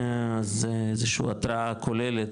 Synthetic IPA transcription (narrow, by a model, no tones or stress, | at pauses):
azezeʃṵat̪ɾaakʰolelet